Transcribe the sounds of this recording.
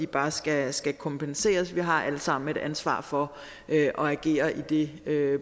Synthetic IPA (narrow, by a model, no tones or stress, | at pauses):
ib̥ɑ̈ːsɡ̥æsɡ̥ækʰɒ̽mpʰense̝̰ːɐsʋiɦɑ̈ʔæləsɑ̈m̰n̩e̝ɾ̥ænsʋɑ̰̈ːfɒ̽ | ʔøʔɒ̽æɡ̥e̝̰ːɐʔid̥e̝ø